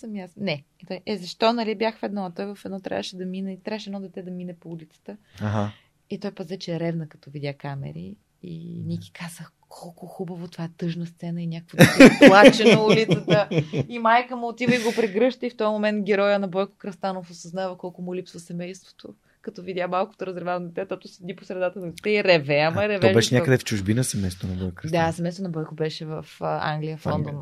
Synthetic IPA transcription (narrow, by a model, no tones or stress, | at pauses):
sɐmjasnɛt̪ɔjʔɛzɐʃt̪ɔnɐlibʲjaxvɛd̪nɔɐt̪ɔjvɐfɛd̪nɔt̪ɾʲa̰vəʃɛd̪ɐminɛt̪ɾavəʃɛd̪nɔd̪ɛt̪ɛd̪ɐminɛpoulʲit̪sə̥t̪əa | it̪ɔjpɐzɛt͡ʃɛɾɛvnəkɐt̪ɔvid̪ʲjakamɛ̰ɾḭ | ḭniki̥kʰazəx | kʰɔlˠkʊxubəvot̪ovaɛt̪ɤʒnəst̪sɛnəinʲjakəkvod̪plˠat͡ʃɛnɐulit̪sət̪əimajkəmʊːt̪ivəiɡopɾɛɡɾɤʃt̪əift̪ɔjmomɛnt̪ɡʲɛɾɔjənɐbɔjko̥kɾɐst̪anofosɐznavɐkɔlˠkʊmʊlʲipsvɐsɛmɛjst̪vo̥t̪o | kɐt̪ɔvid̪ʲjamalˠko̥t̪oɾɐzɾɛvavnd̪ɛt̪ɛt̪ot̪ʊsɛd̪iposɾɛd̪at̪ənɐt̪ɛiɾɛvɛɐmɐɾɛvɔɛbɛʃɛɲʲjakəd̪ɛft͡ʃuʒbinɐsɛmɛjst̪t̪o̰nɐbɔjkkɾd̪asɛmɛjst̪onɐbɔjkobɛʃɛvɐfa̰ŋɡlʲijəfɔnd̪on